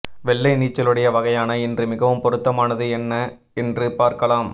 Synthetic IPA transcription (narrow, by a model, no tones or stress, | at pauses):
ʋɛɭːɐɪniːt͡ʃːɐlɯɽɐjɐʋɐɣɐjaːnɐɛndrɯmɪɣɐʋɯmpɔɾɯt̪ːɐmaːnɐðɯɛnːɐ | ɛndrɯpaːɾkɐlaːm